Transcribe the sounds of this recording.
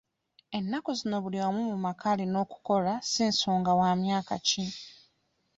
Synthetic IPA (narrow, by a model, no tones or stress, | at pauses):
e̞nːakuzino̞βuliwomumumakʰalino̞ːku̥ko̞lasinsoːŋɡawaːmjaːka̰ci